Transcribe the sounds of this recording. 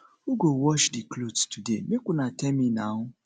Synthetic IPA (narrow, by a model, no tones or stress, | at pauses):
uɡowɔʃdiklodstudemekʷʊnatɛminaɦʊ